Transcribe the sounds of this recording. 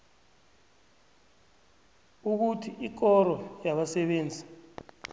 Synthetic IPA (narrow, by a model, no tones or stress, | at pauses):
uk̬utʰiʔik̬ɔɾɔjaɓasɛɓeːnd͡zʱi